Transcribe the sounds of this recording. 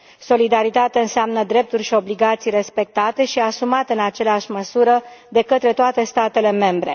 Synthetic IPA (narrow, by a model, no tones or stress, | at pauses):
so̞lid̪aɾit̪at̪eaɨnseamnəd̪ɾe̞p̚t̪urʲʃio̞bliɡat̪sijre̞spe̞k̚t̪at̪e̞ʃiasumat̪eɨnat͡ʃe̞leaʃʲməsuɾəd̪e̞kət̪ɾe̞t̪oat̪e̞st̪at̪e̞le̞me̞mbɾe̞̰